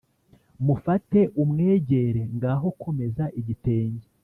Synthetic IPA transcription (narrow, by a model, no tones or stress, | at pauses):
mufate̞ʔumŋe̞ːɟe̞ɾe̞ŋɡaːɦo̞kʰo̞me̞zaʔiɟite̞ːɲɟe